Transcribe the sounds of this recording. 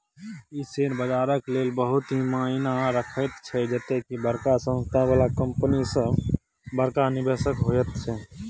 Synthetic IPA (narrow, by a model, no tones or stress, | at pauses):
iseːnbəd͡ʒaːɾəkleːlbəɦʊt̪ɦimainaɾəkʰət̪t͡ʃʰɛd͡ʒət̪ekibəɾkasə̃nst̪ʰabaːlakəmpənisə | bəɾkanɪbʱesəkɦojət̪t͡ʃʰɛ